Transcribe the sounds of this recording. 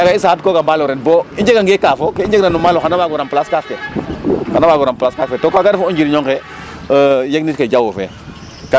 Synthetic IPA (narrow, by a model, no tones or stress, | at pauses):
akais̬aat̚koːkambalɔɾɛnbɔiɲd͡ʒekaŋɡekaːfokeiɲd͡ʒeknanumalɔxanabaɡɔɾamplaskafkɛ | xanabaːɡɔɾamplaskafkɛtokaɡadfɔõɲd͡ʒiɾiɲɔŋkɛ | jek̚nitkaɟawofɛ̰ | ka